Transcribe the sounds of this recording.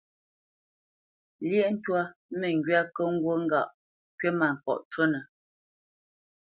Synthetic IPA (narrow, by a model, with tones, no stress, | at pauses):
ljɛ˦n̩˦twa˦me˨ŋ˨ɡɥa˦kə˦ŋ̩˦ɡwo˦ŋ̩˦ɡa˦˨ʔ | kɥe˦ma˨ŋ̩˨kɔ̰˨ʔt͡ʃwo˦nə˨